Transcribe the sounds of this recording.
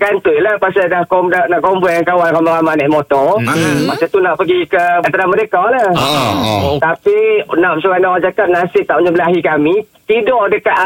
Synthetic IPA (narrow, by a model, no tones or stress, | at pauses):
ɡant̪ujlahpasadahkɔmdanaʔkɔmbɔjaŋkawankamalamanaʔmɔt̪ɔpasat̪unaʔpəɡikəat̪əɾamədekɔla | t̪apinaʔmsuanaad͡ʒakat̪̚nasɪp̚t̪aʔuɲəbəlaɦikami | t̪idɔʔdəkaʔ